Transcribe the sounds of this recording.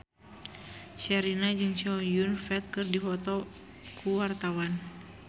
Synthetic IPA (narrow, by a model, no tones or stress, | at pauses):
ʃɛɾinad͡ʒɨŋt͡ʃiɔjunfɛt̪̚kɨrdifɔt̪ɔ | kʰuwart̪awan